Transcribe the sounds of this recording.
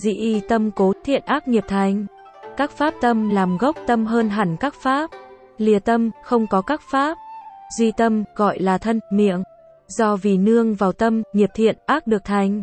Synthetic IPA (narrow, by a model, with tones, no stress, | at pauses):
zḭ˧˨ʔi˧˩t̪ə˧mko˨˦t̪ʰḭ˧˨ənʔaː˦˥k̚ŋi˨˩əp̚t̪ʰa˨˩jŋ̟ | kaː˦˥k̚faː˦˥p̚t̪ə˧mlaː˨˩mɣə˦˥wk͡p̚t̪ə˧mɦəː˧nɦa˧˩jŋ̟kaː˦˥k̚faː˦˥p̚ | li˨˩ət̪ə˧mxə˧wŋ͡mkɔ˨˦kaː˦˥k̚faː˦˥p̚zi˧t̪ə˧mɣɔ̰˧˨jlaː˨˩t̪ʰə˧nmḭ˧˨əŋ | zɔ˧vi˨˩nɨ˧əŋvaː˨˩wt̪ə˧mŋi˨˩əp̚t̪ʰḭ˧˨ənʔaː˦˥k̚ɗɨ˨˩ək̚t̪ʰa˨˩jŋ̟